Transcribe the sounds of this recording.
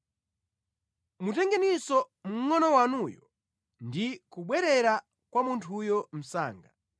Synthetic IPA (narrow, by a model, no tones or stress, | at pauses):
mutɛŋɡanisɔ | m̩ŋɔnɔwanuːjɔ | ndikuɓwɛɾɛɾa | kwamuntʰujɔm̩sa̰ːŋɡa